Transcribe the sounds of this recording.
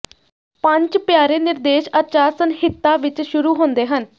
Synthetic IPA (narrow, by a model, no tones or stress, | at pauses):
pəɲt͡ʃpjaːɾeːnɪɾd̪eːʃət͡ʃaːɾsənɦɪt̪ːaːʋɪt͡ʃʃʊɾuːɦõːnd̪eːɦən